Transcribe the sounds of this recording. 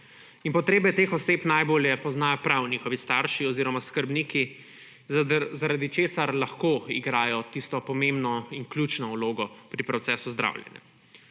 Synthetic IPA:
inpɔt̪ɾeːbɛt̪eːxɔseːpnajboːljɛpɔznaːjɔpɾawnʲiːxɔʋist̪aɾʃiɔziːɾɔmaskəɾbniːki | zaɾad̪it͡ʃeːsaɾlaxkoːiɡɾaːjɔt̪ist̪ɔpɔmẽmbnɔinklʲjuːt͡ʃnɔwloːɡɔpɾipɾɔt̪sɛːsuzd̪ɾa̰ːwljɛ̰nja̰

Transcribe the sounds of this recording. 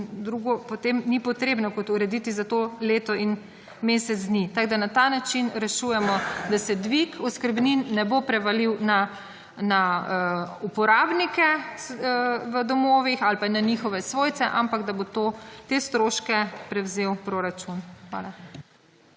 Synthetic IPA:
ind̪ɾuɡɔpɔt̪emnipɔt̪ɾeːbnɔkɔt̪uɾɛd̪it̪izat̪oleːt̪ɔin | meːsɛt̪zd̪nit̪aɡd̪anat̪anat͡ʃinɾɛʃuːjɛmɔd̪asɛd̪ʋikɔskəɾbninːɛbopɾɛʋaliwna | naəupɔɾaːbnikɛ | ʋəd̪ɔmoːʋixalpananixɔʋɛsʋoːjt̪sɛʔampaɡd̪abot̪ot̪est̪ɾoːʃkɛpɾɛwzewpɾoɾat͡ʃunxʋa̰ːla

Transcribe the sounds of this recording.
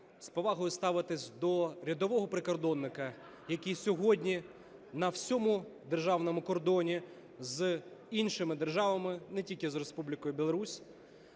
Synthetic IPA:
spɔʋɑɦɔjʊst̪ɑʋɪt̪ɪsʲd̪ɔɾʲid̪ɔʋɔɦɔpɾɪkɔrd̪ɔnːɪkɐ | jɐkʲijsʲɔɦɔdʲnʲi | nɐwsʲɔmud̪erʒɑwnɔmʊkɔrd̪ɔnʲi | zinʃɪmɪd̪erʒɑʋɐmɪnɛtʲilʲkʲɪzrespublʲɪkɔjʊbʲilˠɔɾusʲ

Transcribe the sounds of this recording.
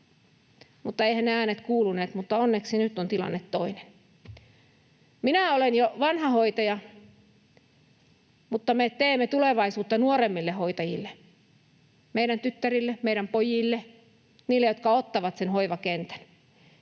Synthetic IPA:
mut̪ːɑeihænneæːnet̪kuːluneːt̪mut̪ːɑonːeksinyt̪ːont̪ilɑ̰nːet̪toinen | minæolenjoʋɑnhɑhoit̪ɑjɑ | mut̪ːɑmet̪eːmːet̪uleʋɑisuːt̪ːɑnuoremːilːehoit̪ɑjḭlːe | meiɾænt̪yt̪ːærilːemeiɾæmpojilːe | niːlːejot̪̚kɑot̪ːɑʋɑt̪senhoiʋɑkent̪æ̥n

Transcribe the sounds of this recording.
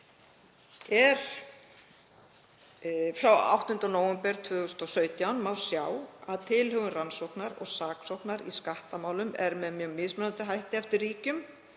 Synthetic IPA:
ɛɾ̥ | fɾawa̰wht̪ʏnt̪ɔnoːwɛmpɛɾ̥t̪ʰvʏːɣʏst̪ɔsœːɥt̪jawnmaːwsjaːwaðt̪ʰɪlɦʏɣʏnransowhknaɾɔ̰ɣsaːksowknaɾḭskaht̪amaːwlʏmɛ̰ɾmɛðmjœɣmɪðsmɛnant̪ɪɦajht̪ɪɛft̪ɪrriːcʏm

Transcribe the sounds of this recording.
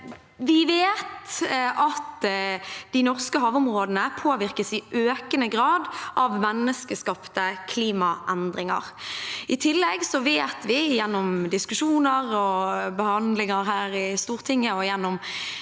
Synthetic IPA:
ʋɪʋeːt̪ʔɑt̪ | d̪̥ɪnɔʁskəɦɑːʋʊmʁoːd̪ənəpʰoːʋɪɾkəsɪʔøːkənəɡɾɑːd̪ʔɑʋmɛnːəskəskɑpt̪əkʰliːmɑʔɛnd̪ɾɪŋɑ̰ʁɪt̪ʰɪlːɛɡsɔʋeːt̪ʋɪjɛnːɔmd̪ɪskʉʂuːnəɾɔbəhɑnd̪lɪŋɑɾɦæːɾɪst̪uːʁt̪ʰɪŋːəɔjɛnːɔm

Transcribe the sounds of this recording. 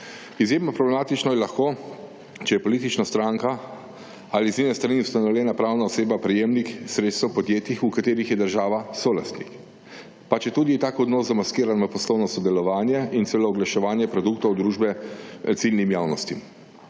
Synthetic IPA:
izjeːmnɔpɾɔblɛmaːt̪it͡ʃnɔjɛlaxkoː | t͡ʃɛjɛpɔliːt̪it͡ʃnast̪ɾaːŋka | alizninɛst̪ɾaniust̪anɔwljɛːnapɾaːwnaɔseːbapɾɛjeːmnixsɾet̪st̪ɛwpɔd̪jeːt̪ixukat̪eːɾixjɛd̪əɾʒaːʋasoːla̰st̪nḭk | pat͡ʃɛt̪uːd̪iɛt̪aːkɔd̪nɔːszamaskiːɾanapɔslɔwnɔsɔd̪ɛlɔʋaːnjɛint̪selɔɔɡlaʃɛʋaːnjɛpɾɔd̪uːkt̪ɔwd̪ɾuːʒbɛt̪silnimjaːwnɔst̪im

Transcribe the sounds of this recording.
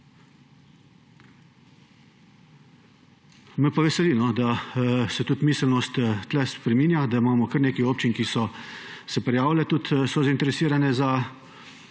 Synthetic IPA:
mɛpaʋɛsɛlinɔd̪asɛt̪ut̪miːsəlnɔst̪t̪ːlɛspɾɛmiːnjad̪aimaːmɔkəɾneːkioːp̚t͡ʃinkisɔsɛpɾɛjaːwlɛt̪ut̪sɔzaint̪ɛɾɛsiːɾanɛza

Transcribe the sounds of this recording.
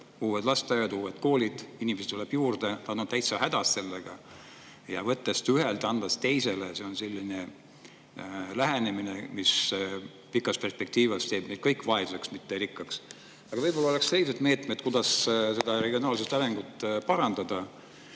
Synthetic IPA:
uːwed̪̥lɑst̪ɑjɑd̪uːwed̪ko̞ːlʲid̪̥inimes̬t̪ːuleb̥juːɾd̪̥e̞t̪ɑnːut̪t̪æjt̪sɑɦæd̪ɑst̪se̞lːeɡ̥ɑ | jɑ̰vɤt̪ːe̞st̪yɦelt̪ˑɑnd̪̥ɑst̪e̞jse̞lese̞o̞nse̞lʲːine | læɦenemine̞mis | pikːˑɑspe̞rspe̞k̚t̪iːvɑst̪e̞ːbnejd̪̥kɤjkːˑvɑesuse̞ksmit̪ːeɾikːˑɑks | ɑɡ̥ɑvɤjbo̞lːɑole̞ksse̞lːise̞d̪me̞ːt̪ˑmed̪̚kud̪ɑsse̞d̪̥ɑɾe̞ɡio̞nɑːlsest̪ɑɾeŋɡ̥ut̪ːˑpɑɾɑnd̪̥ɑd̪̥ɑ

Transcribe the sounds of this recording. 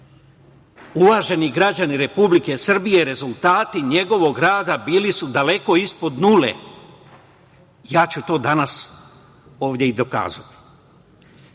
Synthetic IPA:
uʋaːʒe̞niɡɾad͡ʑaniɾe̞publike̞sr̩bije̞ɾe̞zult̪aːt̪iɲe̞ɡo̞ʋo̞ɡɾaːd̪abiːlisud̪ale̞ko̞ispo̞d̪nuːlḛ | jaːt͡ɕut̪o̞ːd̪anas | o̞ːʋd̪ʲjeid̪o̞ka̰ːzat̪i̥

